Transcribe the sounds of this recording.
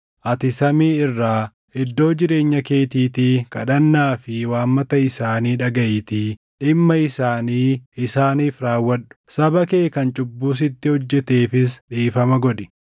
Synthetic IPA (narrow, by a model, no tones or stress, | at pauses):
ʔɐt̪ɪsɐmiːɪrːaː | ɪd̪ːo̞ːd͡ʒɪɾe̞ːɲːɐke̞ːt̪iːt̪iːkɐɗɐnːaːfɪwaːmːɐt̪ɐɪsaːniːᶑɐɡɐʔɪt̪i | ᶑɪmːɐɪsaːniːɪsaːniːfɾaːwːɐɗʊ̥sɐbɐkeːkɐnt͡ʃʼʊbːuːs̬ɪt̪ːɪhɔd͡ʒːɛt̪eːfɪsᶑiːfɐmɐɡɔᶑɪ̥